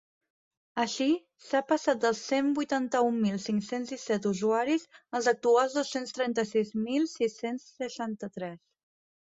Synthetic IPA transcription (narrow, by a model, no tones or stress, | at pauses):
əʃi | sapəsat̪̚d̪əlˠsembujt̪ant̪əummːilˠsiŋksenzðisɛt̪uzuaɾizəlˠzək̚t̪ualˠzðosenst̪ɾɛnt̪əsizmilˠsisensːəʃant̪ət̪ɾɛs